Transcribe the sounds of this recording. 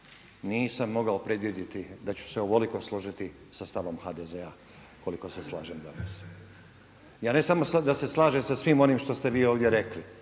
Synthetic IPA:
niːsamːo̞ɡaopɾe̞d̪ʋjed̪it̪id̪at͡ɕu̥seoʋoliko̞slˠoʒit̪i | sast̪aʋo̞mxaːd̪ezea | ko̞liko̞seslˠa̰ːʒemd̪anas | jaːne̞samosad̪ase̞slˠaːʒemsasʋiːmo̞niːmʃt̪o̞st̪e̞ʋiːo̞ːʋd̪jeɾe̞kli

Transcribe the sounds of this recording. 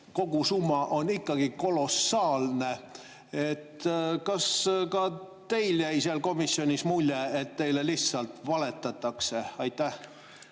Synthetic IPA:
ko̞ɡ̥usumːɑʔo̞nikːɑɡ̥iko̞lo̞sɑːlne̞ | et̪kɑskɑ | t̪e̞jljæjseɑlko̞misːjo̞nʲismulʲːeet̪ːe̞jle̞lisɑlt̪vɑle̞t̪ːˑɑt̪ːˑɑkse̞ɑjt̪ːˑæh

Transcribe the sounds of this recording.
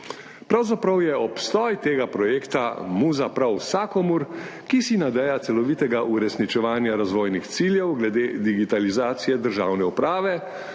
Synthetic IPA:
pɾawzapɾawjɛɔpst̪ɔːjt̪eːɡapɾɔjeːkt̪a̰muzapɾawsaːkɔmuɾkisinad̪ɛjat̪sɛlɔʋit̪ɛɡaʔuɾɛsnit͡ʃɛʋaːnjaɾazʋoːjnixt̪siːljɛwɡlɛd̪eːd̪iɡit̪alizaːt̪sijɛd̪əɾʒaːwnɛupɾaːʋɛ

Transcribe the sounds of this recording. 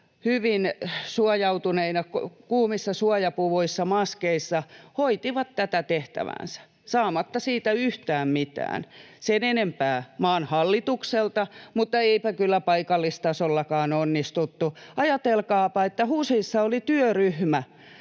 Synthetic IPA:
hyʋinsuɑjɑut̪uneinɑkokuːmisːɑsuɑjɑpuʋoisːɑmɑskeisːɑhoit̪iʋɑt̪t̪æt̪æt̪eht̪æ̰ʋæ̰nsæ̥ | sɑːmɑt̪ːɑsiːt̪æyht̪æːmmit̪æ̰ːn | senenempæːmɑːnhɑlːit̪ukselt̪ɑmut̪ːɑeipækylːæpɑikɑlːist̪ɑsolːɑkɑːnonːist̪ut̪ːuɑjɑt̪elkɑːpɑet̪ːæhuːsiisːɑolit̪yøryhmæ

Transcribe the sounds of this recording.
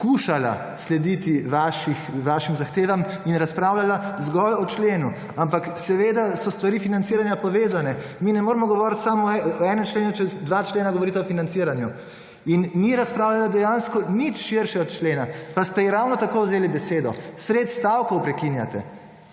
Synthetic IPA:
skuːʃala̰ | slɛd̪it̪iʋaʃixʋaʃimzaxt̪eːʋaminɾaspɾawlalazɡɔlɔt͡ʃleːnu | ampaksɛʋed̪asɔst̪ʋaɾifinantsiɾanjapɔʋeːzanɛminɛmoːɾɛmɔɡɔʋɔːɾt̪samɔɛɔɛnɛmt͡ʃleːnut͡ʃɛd̪ʋat͡ʃleːnaɡoɔʋɔɾit̪ɛɔfinant̪siːɾanju | inːiɾaspɾaːwlalad̪ɛjanskɔnit͡ʃʃiɾʃɛɔt̪̚t͡ʃleːnapast̪ɛjɾawnɔt̪akowzeːlibɛseːd̪ɔ̰sɾet̪st̪awkowpɾɛkinja̰t̪ɛ̰

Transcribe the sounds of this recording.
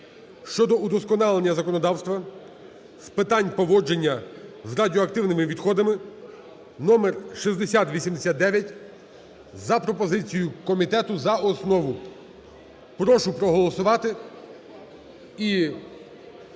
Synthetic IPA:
ʃt͡ʃɔd̪ɔud̪ɔskɔnɑlˠenʲːɐzɐkɔnɔd̪ɑwst̪ʋɐ | spɪt̪ɑnʲpɔʋɔd͡ʒenʲːɐzradʲiɔɐkt̪ɪwnɪmɪʋʲid̪xɔd̪ɐmɪ | nɔmerʃizd̪esʲat̪ʋʲisʲimd̪esʲat̪̚d̪ɛʋʲjɐtʲ | zɐpɾɔpɔzɪt͡sʲijʊkɔmʲit̪ɛt̪ʊzɐɔsnɔʋʊ | pɾɔʃʊpɾɔɦɔlˠɔsʊʋɑt̪ɪ | i

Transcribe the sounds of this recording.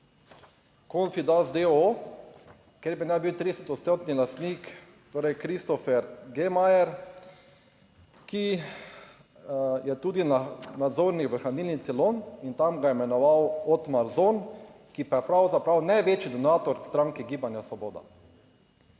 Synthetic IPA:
kont̪sid̪azd̪eo | keɾbinajbiwt̪ɾid̪ɛsɛt̪ɔt̪st̪ot̪nilast̪nik | t̪oːɾɛjkɾist̪ɔfɛɾɡemajɛɾ | ki | jɛt̪ud̪inanad̪zoːɾnikʋəxaniːlnit̪sɛlonint̪amɡaimɛnɔʋawɔt̪maɾzon | kipajɛpɾawzapɾawnajʋeːt͡ʃid̪ɔnaːt̪ɔɾst̪ɾaːŋkɛɡiːbanjasʋɔboːd̪a̰

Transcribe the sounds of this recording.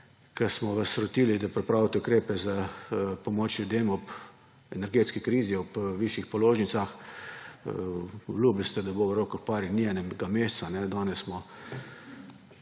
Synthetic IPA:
kasmɔʋasɾɔt̪ilid̪apɾɛpɾaːwt̪ɛʊkɾeːpɛzapɔmoːt͡ʃlʲjud̪eːmɔp | ɛnɛɾɡeːt̪skikɾiːziɔpʋiʃixpɔloːʒnit̪sax | blublst̪ɛd̪aboʋəɾokɔxpaɾiniɛnɛmɡameːst̪sanɛd̪ɔːnɛsːmɔ

